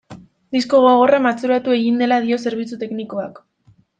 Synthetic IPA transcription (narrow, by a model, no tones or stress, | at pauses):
d̪isko̞ɣoɣ̞o̞ramat͡suɾat̪ue̞ɣind̪e̞lað̞io̞se̞ɾβ̞it͡sut̪e̞kniko̞ak